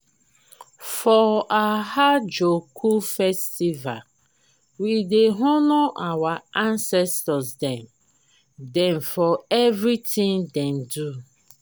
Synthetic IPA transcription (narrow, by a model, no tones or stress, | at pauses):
fɔahad͡ʒokʰufɛstiva̰l | wideɦʊnʊʔawaãnsɛstɔsdɛ̃n | dɛ̃nfɔevɾitĩŋdɛ̃n̩du